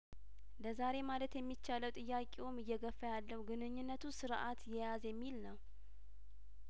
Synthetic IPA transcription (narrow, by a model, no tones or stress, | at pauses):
ləzaɾe̞malət̪jɛmːit͡ʃːaləwt̪ʼɨjːakʼewomɨjːɛɡəfːəjalːəhuɡɨnɨɲːunːət̪ʰusɨɾʔat̪jɛjazjɛmːilnəw